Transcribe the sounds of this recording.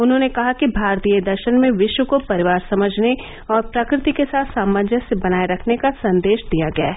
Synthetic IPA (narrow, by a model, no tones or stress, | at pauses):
ʊnɦõːnekɐɦakibʱaːɾt̪ijəd̪ɐɾʃənmẽʋɪʃwəkopɐɾɪʋaːɾsɐməd͡ʒʱne | ɔːɾpɾɐkɾɪt̪ikesaːt̪ʰsaːməd̪ʱjəsebɐnaːeɾɐkʰnekasɐ̃nd̪eːʃd̪ijaɡɐja̰ː